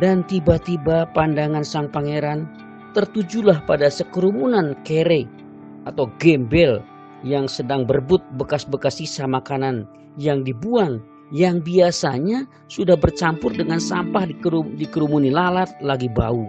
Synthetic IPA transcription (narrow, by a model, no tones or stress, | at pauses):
dant̪ibat̪ibapandaŋansaŋpaŋeɾan | t̪ərt̪ud͡ʒulahpadasəkəɾumunankeɾe | at̪awɡɛmbɛl | jaŋsədaŋbərbʊt̪̚bəkasbəkasisamakanan | jaŋdibuaŋ | jaŋbiasaɲa | sudahbərt͡ʃampʊrdəŋansampahiudikəɾumunilalat̪̚laɡiba̰u